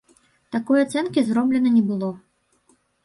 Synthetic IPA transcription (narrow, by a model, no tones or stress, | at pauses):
t̪akɔjat̪sɛnkʲizɾɔblʲɛnɐnʲɛbɨlˠɔ